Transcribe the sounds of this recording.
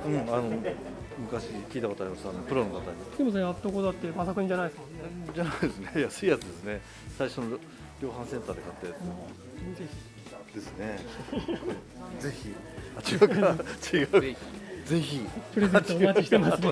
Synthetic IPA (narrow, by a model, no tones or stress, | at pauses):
ɯ̟̃ɴano̞ | mɯ̟kaɕikʲiːt̪ako̞t̪oaɾʲimasɨano̞pɯ̟ɾo̞nokat̪aɲid̪emos̬eat̪ːokot̪oat̪ːemasakɯ̟ɲĩɲd͡ʑanaieskad͡ʑanaid̪esɨnejasɨiːjat͡sɨd̪e̞sɨne̞ | saiɕo̞no | ɾʲo̞ːɦãɰ̃sẽ̞nt̪aːd̪e̞kat̪ːet̪ | d̪̥e̞sɨne̞ | o | d͡ze̞çʲi | at͡ɕiakat͡ɕiɡaɯze̞çʲipɯɾezẽt͡ɕ̪iɡiema